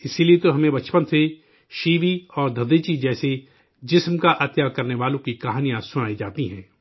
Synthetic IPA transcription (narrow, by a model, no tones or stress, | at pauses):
ɪsiliet̪oɦɐmẽbɐt͡ʃpə̃nt̪ʰse | ʃiːʋiɔːɾd̪ʱɐd̪eːt͡ʃid͡ʒɛːse | d͡ʒɪsmkaʔɐt̪jakɐɾneʋaːlõkikɐɦaːnijãsʊnaːid͡ʒaːt̪iɦɛ̃ː